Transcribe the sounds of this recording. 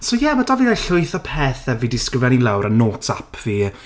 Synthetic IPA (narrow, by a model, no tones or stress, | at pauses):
sojɛmadɔvinaɬʊɨθɔpʰeːθɛvidɪskɪvɛnilˠawɾənːoːtʰapʰv̥i